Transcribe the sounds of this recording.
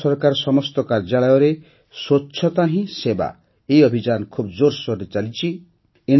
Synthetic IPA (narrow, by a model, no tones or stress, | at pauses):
ɔɾkaɾsɔmɔst̪ɔkaɾd͡ʒaɭɔjɔɾe | soːt͡ʃʰʃʰɔt̪aɦĩseba̰ | eiɔbʱid͡ʒankʰubd͡ʒoɾsɔɾet͡ʃalit͡ʃʰi | en